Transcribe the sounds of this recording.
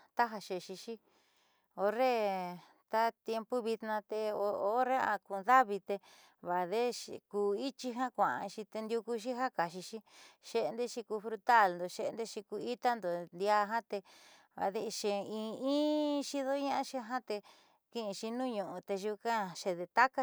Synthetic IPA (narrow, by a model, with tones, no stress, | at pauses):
t̪a˦ɦa˧ʃe˧ʃi˧ʃi˦ | o˧re˦ | t̪a˦t̪je˧mpu˦βi˧t̪nã˧t̪e˧o˧o˧˦ɾe˦a̰˧ku˧nða˦βi˧t̪e˧ | βa˨ðe˦ʃkuː˧i˦t͡ʃi˧ɦã˦kʷã˨ʔã̰˧ʃi˧t̪e˧nd̪ʲju˧ku˧ʃ̬i˦ɦa˦ka˨ʃi˧ʃi˦ʃe˧nd̪e˦ʃi˧ku˧fɾu˧t̪a˦˨lnd̪o˨ʃe˧e˧nd̪e˦ʃi˧ku˧i˦t̪a˦nd̪o˨nd̪ja˧ɦã˦t̪e˧ | βa̰˨ðe˧ʃe˨ĩ˧ĩː˦ʃi˦ðo˦ɲã˦ʔã˦ʃi˧ɦã˦t̪e˧ | kĩ˧ĩ˧ʃi˧nũ˦˧ɲũ˨ʔũ˧t̪e˧ʒu˧kã˦ʃe˧ðe˧t̪a˦ka˦˧